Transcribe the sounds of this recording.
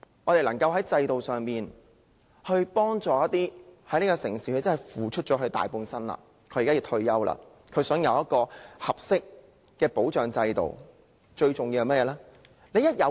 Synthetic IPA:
ŋɔː˨˧t̪e˨jlɐ˨˩ŋkɐ˧wɦɐ˨˥jt͡sɐ˧jt̪o˨wsœː˨ŋmiː˨n | hɵ˧ɥpɔː˥ŋt͡ʃɔː˨˩jɐ˥t̪̚ːiː˥hɐ˨˥jneː˥kɔ˧sɪ˨˩ŋsiː˨˥ɵ˧t͡sɐ˥nɦɐ˨˩jfuː˨˩t͡ʃʰɵ˥t̚t͡ʃɔː˨˥ɦɵ˧ɥt̪a̰ː˨jpuː˧nsɐ˥nlɐ̰˧˨ | kʰɵ˨˧jːkaː˥iː˧t̪ʰɵ˧ɥjɐ˥wla̰ː˧ | kʰɵ˨˧ɥsœː˨˥ŋjɐ˨˧wjɐ˥t̚kɔː˧hɐ˨p̚sɪ˥k̚ː | ɛː˧po˨˥wt͡ʃœː˨ŋt͡sɐ˧jt̪o̰˨w | t͡ʃɵ˧ɥt͡ʃʊ˨ŋjiː˧wɐ˧mɐ˥tjɛː˨˧˥lɛː˥ | ne˨˧jɐ˥t̚jɐ˨˧

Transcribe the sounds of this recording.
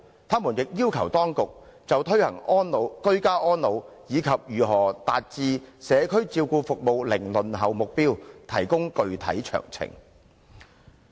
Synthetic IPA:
t̪ʰaː˥mu˨˩njɪ˨k̚jiː˥wkʰɐ˨˩wt̪ɔː˥ŋkʊ˨k̚t͡sɐ˨wt̪ʰɵ˥ɥhɐ̰˨˩ŋʔɔː˥nlo˨˧wkɵ˥ɥkaː˥ʔɔː˥nlo˨˧wjiː˨˧kʰɐ˨p̚jyː˨˩ɦɔː˨˩t̪aː˨t̚t͡siː˧sɛː˨˧kʰɵ˥ɥt͡siː˧wkuː˧fʊ˨k̚mo˨wlɪ˨˩ŋlɵ˨˩nɦɐ˨wmʊ˨k̚piː˥wt̪ʰɐ̰˨˩jkʊ˥ŋkɵ˨˧ɥt̪ʰɐ̰˨˥jt͡ʃʰœ̰ː˨˩ŋt͡sʰɪ̰˨˩ŋ

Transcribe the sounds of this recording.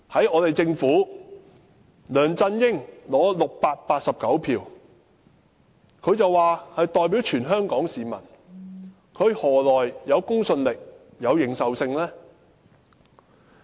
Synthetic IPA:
hɐ˨˥jɔː˨˧t̪e˨jt͡sɪ˧ŋfuː˨˥ | lœː˨˩ŋt͡sɐ˧njɪ˥ŋlɔː˨˥lʊ˨k̚paː˧t̚paː˧t̚sɐ˨p̚kɐ˨˥wpʰiː˨˩w | kʰɵ˨˧ɥt͡sɐ˨wːaː˨˩hɐ˨jt̪ɔː˨jp̬iː˨˥wt͡ʃʰyː˨˩nɦœː˥ŋkɔː˨˥ŋsiː˨mɐ̰˨˩n | kʰɵ˨˧ɥhɔː˨˩lɔː˨˩jjɐ˨˧wkʊ˥ŋsɵ˧nlɪ˨k̚ | jɐ˨˧wjɪ˨˧ŋsɐ˨wsɪ˧ŋlɛː˥

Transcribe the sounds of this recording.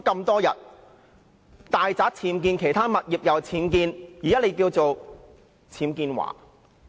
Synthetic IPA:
kɐ˧mt̪ɔː˥jɐ˨t̚ | t̪aː˨jt͡saː˨˥k̚t͡sʰiː˨˧˥mk̬iː˧nkʰe˨˩jt̪ʰaː˥mɐ˨t̚jiː˨p̚jɐ˨wt͡sʰiː˨˥mkiː˧njiː˨˩jɐ˥le˨˧jkiː˧wt͡so˨w | t͡sʰiː˨˥mkiː˧nwa̰ː˨˩

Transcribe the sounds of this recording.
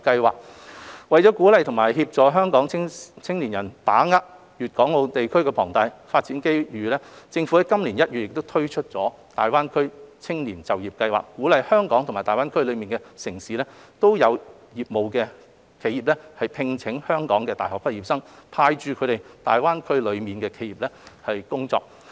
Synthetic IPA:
kɐ˧jwaː˨k̚wɐ˨jt͡sɔ˨˥kuː˨˥lɐ˨˧jt̪ʰʊ˨˩maː˨˩jɦiː˧p̚t͡ʃɔː˨˩jɦœː˥ŋkɔː˨˥ŋ˥t͡sʰɪ˥ŋliː˨˩njɐ˨˩nt̪aː˨˥ŋa˥k̚ | jyː˨t̚kɔː˨˥ŋo˨˧wt̪e˨jkʰɵ˥ɥkɛ˧pʰɔː˨˩ŋt̪a˧jfaː˧t̚t͡siː˨˥nke˥jɥyː˨˧lɛː˥t͡sɪ˧ŋfu˨˥ɛ˥jkɐ˥mli˨˩njɐ˥t̚y˨ɪ˨k̚t̪o˥wt̪ʰɵ˥ɥt͡ʃʰɵ˥t̚t͡sɔː˨˥ | t̪aː˨˩jwaː˥nkʰɵ˥ɥt͡sʰɪ˥ŋliː˨˩nt͡sɐ˨wjiː˨p̚kɐ˧jwa̰ː˨kkːuː˨˥lɐ˨jhœː˥ŋkɔː˨˥ŋt̪ʰʊ˨˩ŋma˨˩t̪aː˨waː˥nkʰɵ˥ɥlɵ˨˧miː˨nkɛ˧sɪ˨˩ŋsiː˨˧lɛː˥t̪o˥wjɐ˨˧w | jiː˨˩p̚mo˨wkɛː˧ | kʰe˨˧˥jiː˨p̚lɛ˥hɐ˨jpʰɪ˧ŋt͡sʰɪ˨˥ŋhœː˥ŋkɔː˨˥ŋkɛː˧t̪aː˨jɦɔː˨˩kpɐ˥t̚jiː˨˩p̚sɐ˥ŋpʰaː˧jt͡ʃyː˨˧kʰɵ˨˧ɾe˨jt̪aː˨jwaː˥nkʰɵ˥ɥlɵ˨˧ɥmiː˨nkɛː˧kʰe˨˥jiː˨˩p̚ɛː˥hɐ˨jkʊ˥ŋt͡sɔ̰ː˧k̚

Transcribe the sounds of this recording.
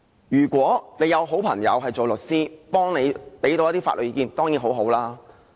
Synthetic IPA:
jyː˨˩kʷwɔː˨˥ne˨˧jɐ˨˧wɦo˨˥wpʰɐ˨˩ŋjɐ̰˨˧wɦɐ˨jt͡so˨wlɵ˨t̚siː˥pɔː˥ŋne˨˧jpe˨˥jt̪o˨˧wjɐ˥t̪iː˥fa̰ː˧tlɵ˨˩i˧kːiː˨˧nt̪ɔː˥ŋjiː˨˥nɦo˨˥wɦo˨˥wlaː˥

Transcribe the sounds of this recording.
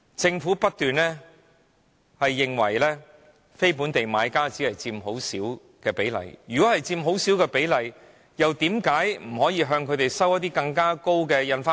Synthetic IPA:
t͡sɪ˧ŋfuː˨˥pɐ˥t̚t̪yː˨nlɛː˥ | hɐ˨jːɪ˨ŋwɐ̰˨˩jlɛː˥ | fe˥jpuː˨˥nt̪e˨jmaː˨˧jkaː˥t͡siː˨˥lɐ˨jt͡siː˧mɦo˨˥wsiː˨˥w | kɛː˧pe˨˥jlɐ̰˨˩jjyː˨kɔː˨˥hɐ˨jt͡siː˧mɦo˨˥wsiː˨˥wkɛː˧pe˨˥jlɐ˨j | jɐ˨wt̪iː˨˥mkaː˨˥jm̩˨˩hɔː˨˥jiː˧ɦœː˧ŋkʰɵ˨˧t̪e˨jsɐ˥wjɐ˥t̚t̪̬iː˥kɐ˧ŋkaː˥ko˥wkɛː˧jɐ˧nfaː˧˥

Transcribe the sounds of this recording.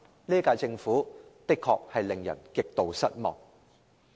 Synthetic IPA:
liː˥kaː˧jt͡sɪ˧ŋfuː˨˥t̪ɪ˥kʰːɔː˧k̚hɐ˨jlɪ˨ŋjɐ̰˨˩nkɪ˨k̚t̪o˨˧wsɐ˥t̚mɔ̰ː˨˩ŋ

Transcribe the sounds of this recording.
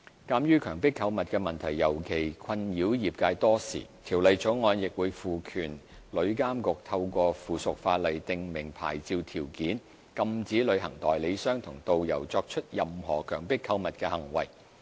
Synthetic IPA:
kaː˧mjyː˥kʰœː˨˩ŋpɪ˥kʰːɐ˧wmɐ˨t̚kɛː˧mɐ˨˩nt̪ʰɐ˨˩jːɐ˨˩wkʰe˨˩jkʰɐ˧njiː˨˥wjiː˨p̚kaː˧jt̪ɔː˥sḭː˨˩t̪ʰiː˨˩wlɐ˨˧jt͡so˨˥wŋɔː˨˧njɪ˨k̚wuː˨˧jfuː˨kʰyː˨˩n | lɵ˨˧ɥkaː˥mkʊ˨k̚t̪ʰɐ˧wkʷɔː˧fuː˨˩sʊ˨k̚faː˧t̚lɐ˨˩jt̪ɪ˨˧ŋmɪ˨˩ŋpʰa̰ː˨˩jt͡siː˧wt̪ʰiː˨˩wkiː˨˥n | kɐ˧mt͡siː˨˥lɵ˨˧ɥhɐ˨˩ŋt̪ɔː˨˩jle˨˧jsœː˥ŋt̪ʰʊ˨˩ŋt̪o˨wjɐ̰˨˩wt͡sɔː˧k̚t͡ʃʰɵ˥t̚jɐ˨mhɔ̰ː˨˩kʰœː˨˩ŋpɪ˥kʰːɐ˨˧wmɐ˨t̚kɛː˧hɐ˨˩ŋwɐ̰˨˩j

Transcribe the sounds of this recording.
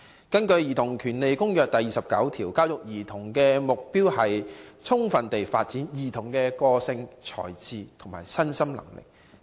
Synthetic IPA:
kɐ˥nkɵ˧ɥjiː˨t̪ʰʊ˨˩ŋkʰyː˨˩nle˨jkʊ˥ŋjœː˨k̚t̪ɐ˨jiː˨sɐ˨p̚kɐ̰˨˥wt̪ʰiː˨˩wkaː˥wjʊ˨k̚jiː˨˩t̪ʰʊ˨˩ŋkɛː˧mʊ˨k̚piː˥whɐ˨jt͡sʰʊ˥ŋfɐ˨nt̪e˨jfa̰ː˧t̚t͡siː˨˥njiː˨˩t̪ʰʊ˨˩ŋkɛː˧kɔː˧sɪ˧ŋt͡ʃʰɔ̰ː˨˩jt͡siː˨˧t̪ʰʊ˨˩ŋma̰ː˨˩jsɐ˥nsɐ˥mlɐ̰˨˩ŋlɪ̰˨k̚

